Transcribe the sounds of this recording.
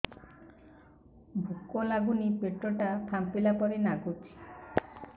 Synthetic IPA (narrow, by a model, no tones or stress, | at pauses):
bʱukːolaɡunipeʈɾoʈap̪ʰampilapɔɾenaɡut͡ʃʰi̥